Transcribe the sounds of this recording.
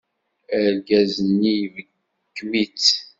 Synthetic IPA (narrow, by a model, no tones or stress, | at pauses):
æɾɡæzənijvəɡː | wit͡s